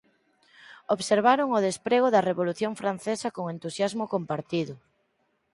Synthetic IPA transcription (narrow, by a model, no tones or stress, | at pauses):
oβseɾβaɾoŋʊð̞espɾeɣʊðɐreβoluθjoŋfɾan̟θesɐkoŋent̪usjazmʊkompaɾt̪iðʊ